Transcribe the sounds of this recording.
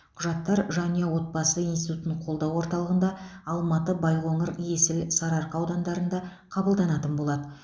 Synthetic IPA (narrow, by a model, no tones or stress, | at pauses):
qʰʊʒɑt̪ːɑɾʒɑnijɑwo̞t̪̚bɑsəinsit̪ut̪nəɴqʰo̞lˠd̪ɑwwo̞ɾt̪ɑlˠəʁənd̪ɑɑlˠmɑt̪əbɑjʁo̞ɴəɾje̞sɪlsɑɾɑɾqɑwd̪ɑnd̪ɑɾənd̪ɑ | qʰɑbəlˠd̪ɑnɑt̪ənbo̞lˠɑd̪ə